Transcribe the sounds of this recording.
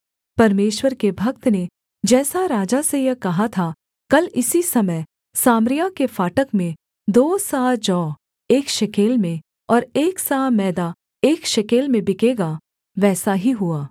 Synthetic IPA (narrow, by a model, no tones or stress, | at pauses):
pɐɾmeːʃwəɾkebʱɐk̚t̪ne | d͡ʒɛːsaɾaːd͡ʒasejɛkɐɦat̪ʰa | kɐlɪsisɐməj | saːmɾɪjakefaːʈəkmẽ | d̪oːsaːd͡ʒɔː | eːkʃɐkeːlmẽ | ɔːɾeːksaːmɛːd̪a | eːkʃɐkeːlmẽbɪkeːɡa | ʋɛːsaɦiɦʊaː